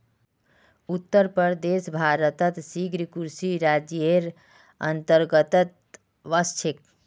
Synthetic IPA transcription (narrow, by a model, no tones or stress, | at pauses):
ut̪ːəɾpəɾd̪eːsbʱaːɾət̪ət̪siɡɾikuɾsiɾad͡ʒjeɾ | ə̰nt̪əɾɡət̪ət̪̚ | ʋəst͡ʃʰek̚